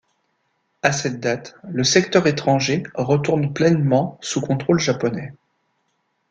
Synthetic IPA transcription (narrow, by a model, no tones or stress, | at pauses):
asɛt̪̚d̪at̪ləsɛkt̪œʁet̪χɑ̃ʒeʁət̪uʁnplɛnmɑ̃sukɔ̃t̪χolʒapɔnɛ